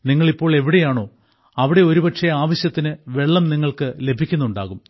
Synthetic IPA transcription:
niŋːɐɭipːo̞ːɭe̞ʋiɽe̞jaːɳo̞ː | ɐʋiɽe̞o̞ɾupɐʈʂeaːʋɐɕjɐt̪ːinɨʋe̞ɭːɐmniŋːɐɭkɨle̞bʱikʲːunːuɳɖaːɣum

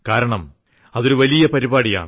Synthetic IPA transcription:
kaːɾɐɳɐm | ɐðo̞ɾuʋɐlijɐpɐɾibaːɽija̰ːɳ

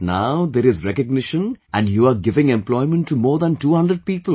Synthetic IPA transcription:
naʊd̪eːɾɪzɾɛkəɡ̚nɪʃə̃nʔæ̃ɳɖjuːaɾɡɪʋɪ̃ŋɛ̃mplɔɪmə̃nʈːumoːɾd̪æ̃nʈuːhʌ̃nɖɾəɖ̚piːpəl

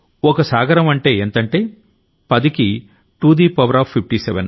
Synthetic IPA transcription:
ɔkɐsaːɡɐɾɐmɐɳʈe̞ːeːnt̪ɐɳʈeː | pɐd̪iki | ʈuːd̪iːpɐʋɐɾaːpʰːip̚ʰʈiːsɛʋen

